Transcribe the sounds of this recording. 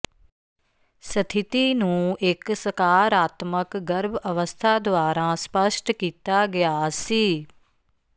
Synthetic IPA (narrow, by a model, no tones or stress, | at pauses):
sət̪ʰɪt̪iːnũːɪksəkaːɾaːt̪məkɡəɾbəʋəst̪ʰaːd̪oaːɾãːspəʃʈkiːt̪aːɡɪjaːsiː